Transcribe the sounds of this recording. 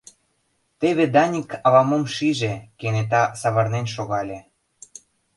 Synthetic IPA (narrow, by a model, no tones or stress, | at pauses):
t̪eβed̪ɑnʲikɑβɑmomʃiʒekenet̪̬ɑsɑβɑrnenʃoɣɑlʲe